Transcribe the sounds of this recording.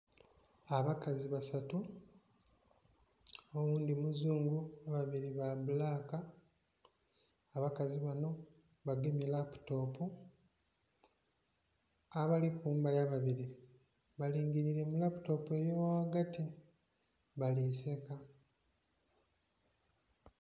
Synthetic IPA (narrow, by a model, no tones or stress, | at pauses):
aβakaziβasatu | owuːndimuzuːŋɡuaβaβiɾiβaβulaːka | βakaziβano̞ | βaɡimilapu̥to̞ːpo | aβalikuːmbajaβaβiɾi | βaliːŋɡiɾiɾe̞mulapu̥to̞pe̞jowaɡati | βalise̞ka